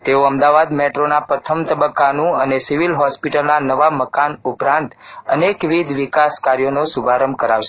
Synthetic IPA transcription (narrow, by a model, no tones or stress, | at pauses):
t̪eoəmd̪aʋad̪meʈɾonapɾət̪ʰəmt̪əbəkːanũənesiʋilɦɔspiʈəlnanəʋaməkanupɾãnt̪ənekʋid̪ʱʋikaskaɾjonosubʱaɾəmkəɾaʋʃe̥